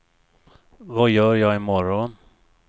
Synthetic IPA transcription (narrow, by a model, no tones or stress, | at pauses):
vajœːɾjɑːɡɪmɔɾɔn